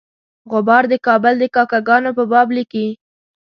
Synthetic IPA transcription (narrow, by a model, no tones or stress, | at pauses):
ɣʊbɑɾd̪əkɑbəld̪əkɑkaɡɑnopəbɑbliki